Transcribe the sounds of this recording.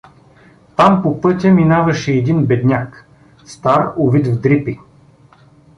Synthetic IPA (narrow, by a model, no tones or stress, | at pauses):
t̪ampopɤt̪ʲɐminavɐʃɛːd̪inbɛd̪nʲak | st̪aɾovit̪vd̪ɾipi